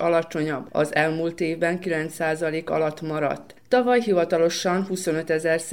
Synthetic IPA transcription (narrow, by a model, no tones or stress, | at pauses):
ɒlɒt͡ʃo̞ɲɒbːɒ̰zɛlmuːlt̪eːvbɛŋkilɛnt̪saːzɒleːkɒ̰lɒt̪mɒɾɒ̰t̪ːɒvɒjɦivɒt̪ɒlo̞ʃɒnhuso̞nø̞t̪ɛzɛrs